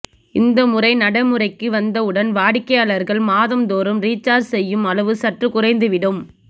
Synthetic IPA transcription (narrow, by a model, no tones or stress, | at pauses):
ɪnd̪ɐmʊrɐɪnɐɽɐɪmɯrɐɪkːɯʋɐnd̪ɐʊɽɐnʋaːɽɪkːɐjaːlɐɾɣɐɭmaːðɐmd̪oːɾɯmɾiːt͡ʃːaːɖsɛjːɯmɐlɐʋɯsɐʈrɯkʊrɐɪnd̪ɯʋɪɽɯm